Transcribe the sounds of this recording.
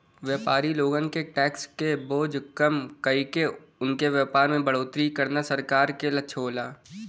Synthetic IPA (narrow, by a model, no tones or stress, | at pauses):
ʋjəːpaːɾiloːɡə̃ŋkeʈɛːkskeboːd͡ʒkɐmkɐike | ʊnkeʋjəːpaːɾmẽbəɽoːt̪ɾikɐɾnasəɾkaːɾkelɐːʃʰoːlaː